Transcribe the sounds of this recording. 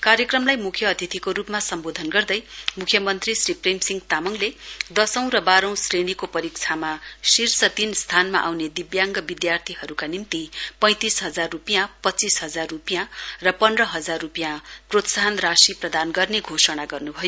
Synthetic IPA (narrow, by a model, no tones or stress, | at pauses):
karjʌkrʌmlajmukʰjʌːt̪ʰit̪ʰikoɾupmasʌmbod̪ʱʌnɡʌrd̪ʌjmukʰjʌmʌnt̪risriprejmsiŋɡt̪amʌŋled̪ʌsʌ̃w̃rʌbaɾʌ̃w̃sreɽikopʌɾik̚t͡sʰamasirsʌt̪inst̪ʰanma̰ʔawned̪ibjaŋɡʌbid̪jart̪ʰiɦʌɾukanimt̪ipʌ̃j̃t̪isɦʌd͡zarːupijãpʌtt͡sːisɦʌd͡zarːupijãrʌpʌndrʌɦʌd͡zarːupijãprot̪saɦʌnrasiprʌd̪anɡʌrneɡʱosʌɽ̃aɡʌrnubʱʌjo